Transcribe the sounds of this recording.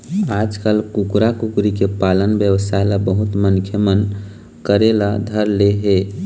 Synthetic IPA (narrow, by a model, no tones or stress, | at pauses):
aːd͡ʒkəlkukɾakukɾikepalənbjəwəsaelabəɦʊt̪mənkʰjəmən | kəɾelad̪ʱəɾleɦe